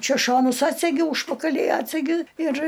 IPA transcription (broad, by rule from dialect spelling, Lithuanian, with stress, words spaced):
ˈt͡ʃʲɛ ˈʃoːnʊs ˈɑːtʲsʲɛɡʲɪ ˈuːʃpɐkɐlʲiː ˈɑːtʲsʲɛɡʲɪ ɪr